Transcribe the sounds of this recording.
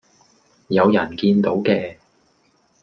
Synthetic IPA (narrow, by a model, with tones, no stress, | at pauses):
jɐ˨˧wjɐ˨˩nkiː˧nt̪o˨˥wkɛː˧